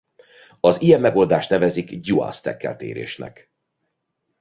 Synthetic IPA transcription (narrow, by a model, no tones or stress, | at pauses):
ɒzijɛmːɛɡo̞ld̪aːʃt̪nɛvɛzikɟua̰st̪ɛ̰kːɛ̰lt̪eːɾḛːʃnɛ̰k